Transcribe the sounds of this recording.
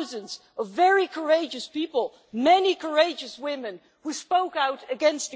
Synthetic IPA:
zɨ̃nz | ʌvːɛɹikʰə˞eɪd͡ʒɨspipəl̩ˠ | mɛnikʰə˞eɪd͡ʒɨswɪ̃mɨ̃n | huspoʊkaʊɾɨɡɛ̃nst

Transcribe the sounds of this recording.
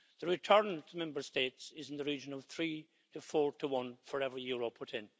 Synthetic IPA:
ðəɹɪtʰɜ˞ntʰəmɛ̃mbə˞stetsɪzɪ̃n̩ðəɹid͡ʒə̃nʌv̥θɹiː | tʰəfɔːɹtʰəwʌ̃nfə˞ɛvɹijuɹopʰʊɾɪ̃n

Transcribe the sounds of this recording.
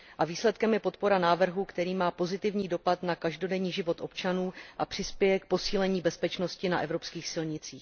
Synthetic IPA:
ʔaviːslɛt̪kɛmjɛpo̞t̪̚po̞ɾanaːvr̩ɦuːkt̪ɛɾiːmaːpo̞zɪt̪ɪvɲiːdo̞pat̪nakaʒdo̞dɛɲiːʒɪvo̞t̪ʔo̞pt͡ʃanuːʔapr̝̥ɪspjɛjɛk̚po̞siːlɛɲiːbɛspɛt͡ʃno̞scɪna̰ʔɛvɾo̞pskiːxsɪlɲɪt͡siːx

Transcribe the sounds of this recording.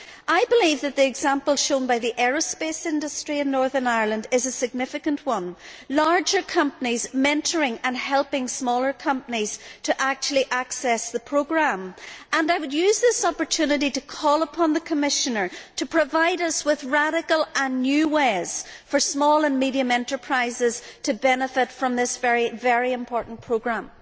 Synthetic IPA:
ʔaɪbəlivðɨt̪̚ðiɨɡz̥ãmpəlˠʃõnbaɪðiʔɛɹospesɪ̃ndəstɹ̥iɨ̃nːɔɹðə˞naɪə˞lˠə̃ndɪzəsɪɡ̚nɪfɪkə̃nʔwʌ̃nlaɹd͡ʒə˞kʰʌ̃mpənizmɛ̃ntʰə˞ɪ̃ŋə̃nhɛlˠpɪ̃ŋsmɔlˠə˞kʰʌ̃mpəniz̥tʰəʔak̚t͡ʃul̩ˠiʔaksɛsðəpʰɹ̥oɡɹãmʔə̃naɪwədjʉzðɪsɔpə˞tʰʉnɨɾiɾəkʰɔlˠəpʰɑ̃nðəkʰəmɪʃənə˞tʰəpʰɹ̥ɨvaɪɾʌswɪðɹaɾɪkəlˠə̃nːjʉwez̥fə˞smɔlˠə̃nmiɾiə̃mɛ̃ntə˞pʰɹ̥aɪzɪz̥tʰɨbɛnəfɪtfɹʌ̃mðɪsv̥ɛɹivɛɹiɨ̃mpʰɔɹʔn̩pʰɹ̥oɡɹãm

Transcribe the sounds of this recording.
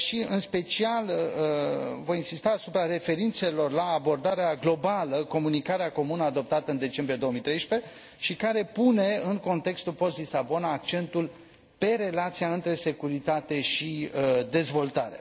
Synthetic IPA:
ʃiɨnspe̞t͡ʃial | vo̞jinsist̪aːsupɾaɾe̞fe̞ɾint̪se̞lo̞rlaːbo̞rd̪aɾeaɡlo̞baləko̞munikaɾeako̞munəad̪o̞p̚t̪at̪əɨnd̪e̞t͡ʃe̞mbɾije̞d̪ooəmijt̪ɾe̞jʃpe̞ | ʃikaɾe̞pune̞ɨŋko̞nt̪e̞kst̪ulpo̞st̪lisabo̞naːk̚t͡ʃe̞nt̪ul | pe̞ɾe̞lat̪siaɨnt̪ɾe̞se̞kuɾit̪at̪e̞ʃid̪e̞zvo̞lt̪aɾe̞̰

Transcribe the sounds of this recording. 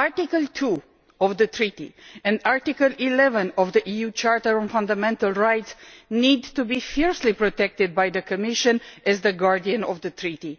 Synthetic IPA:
aɹtikəlˠtʰu | ɔvd̪ət̪ɹit̪ḭɛ̃ndaɹt̪ikəlilɛvə̃nɔvd̪əʔijut͡ʃaɹt̪əɹɔ̃nfãnd̪amɛ̃nt̪əlˠɹajtsnid̪tubifiɹslipɹot̪ɛk̚t̪ɪd̪̚bajðəkʰəmɪʃə̃nɛzðəɡaɹdiə̃nɔvðət̪ɹit̪i

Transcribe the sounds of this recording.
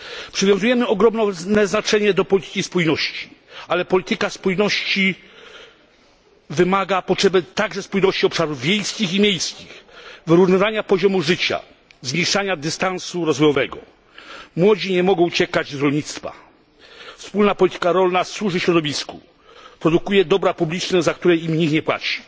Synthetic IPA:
pʂɨvʲjɔ̃zujɛmɘɔɡɾɔmnɛnɛznat͡ʂɛɲɛd̪ɔpɔlʲit̪ɘ̥kʲispujnɔɕt͡ɕi̥alɛpɔlʲit̪ɘkaspujnɔɕt͡ɕi | vɘmaɡapɔtʂɛbɛt̪aɡʐɛspujnɔɕt͡ɕiɔpʂaɾuvvʲjejskʲiximʲjejskʲixvɘɾuvnɨvaɲapɔʑɔmuʐɘt͡ɕa̰ | zɲeʂaɲad̪ɘst̪ansuɾɔzvɔjɔvɛɡɔ̰ | mwɔd͡ʑiɲɛmɔɡɔ̃w̃t͡ɕɛkad͡ʑzɾɔlɲit̪st̪fa̰ | fspulnapɔlʲit̪ɘ̥kaɾɔlnaswuʐɘɕɾɔd̪ɔvʲisku | pɾɔd̪ukujɛd̪ɔbɾapublʲit͡ʂnɛzak̚t̪uɾɛimɲikɲɛpwa̰t͡ɕi̥

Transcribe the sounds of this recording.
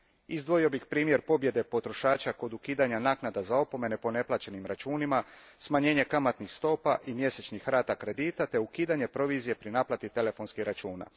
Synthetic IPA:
izd̪ʋo̞jio̞bixpɾiːmje̞ɾpo̞bje̞d̪e̞po̞t̪ɾo̞ʃaːt͡ʃako̞d̪ukiːd̪aɲanaːknad̪azao̞po̞me̞ne̞po̞ne̞plˠat͡ɕe̞nimɾat͡ʃuːnimasmaɲeːɲe̞kamat̪nixst̪o̞ːpaʔimje̞se̞t͡ɕnixɾaːt̪akɾe̞d̪iːt̪at̪e̞ukiːd̪aɲe̞pɾo̞ʋiːzije̞pɾinaplˠat̪it̪e̞le̞fo̞nskixɾat͡ʃuːna̰

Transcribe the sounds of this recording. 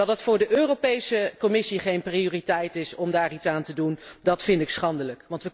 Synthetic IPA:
ɑdətfʊːɹdəʔøːrowpejsəkɔmɪsiχejnpriʊːritɛjtɪsɔmdaːritsaːntədundɑtfɪndɪksχɑndələkʋɑntʋə

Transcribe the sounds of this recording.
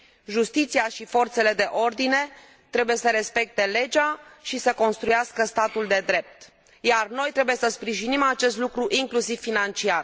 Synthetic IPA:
ʒust̪it̪sijaʃifo̞rt̪se̞le̞d̪e̞ʔo̞rd̪ine̞ | t̪ɾe̞buje̞səɾe̞spe̞k̚t̪e̞le̞d͡ʒaʃisəko̞nst̪ɾujaskəst̪at̪uld̪e̞d̪ɾe̞p̚t̪ | jarno̞jt̪ɾe̞buje̞səspɾiʒinimat͡ʃe̞st̪lukɾuʔiŋklusiv̥fːinant͡ʃiar

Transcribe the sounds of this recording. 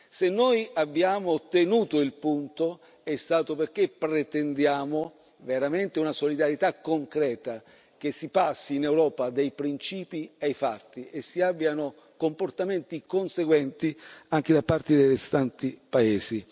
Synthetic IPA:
senːojabːjaːmot̪enuːt̪oilpunt̪o | ɛst̪aːt̪operk̟epɾet̪ɛnd̪jaːmo | veɾament̪eunasolid̪aɾjet̪akːoŋkɾɛːt̪a | k̟esːipasːiːnewɾɔːpad̪ejpɾint͡ʃiːpiajfat̪ːiʔesːiabːjano | komport̪ament̪ikonseɡwɛnt̪iaŋk̟ed̪apːart̪id̪ejrest̪ant̪ipaeːzi

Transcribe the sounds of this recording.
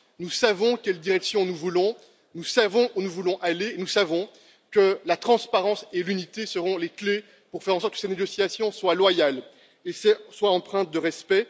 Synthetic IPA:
nusavɔ̃kʲɛld̪iʁɛksjɔ̃nuvulɔ̃ | nusavɔ̃unuvulɔ̃ʔaleːnusavɔ̃ | kəlat̪χɑ̃spaʁɑ̃selynit̪esəʁɔ̃lekle | puʁfɛʁɑ̃sɔʁt̪̚kə̥seneɡɔsjasjɔ̃swalwajal | esɛswaɑ̃pχɛ̃t̪̚d̪əʁɛspɛ

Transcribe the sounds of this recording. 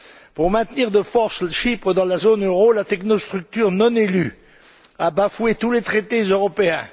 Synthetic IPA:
puʁmɛ̃t̪niʁd̪əfɔʁsləʃipχəd̪ɑ̃lazonøʁolat̪ɛknost̪χyk̚t̪yʁnɔ̃nely̰ | abafwet̪ulet̪χet̪ezøʁɔpeɛ̰̃

